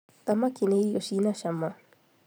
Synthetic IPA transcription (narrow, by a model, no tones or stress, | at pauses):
t̪amakineijoʃinaʃamːa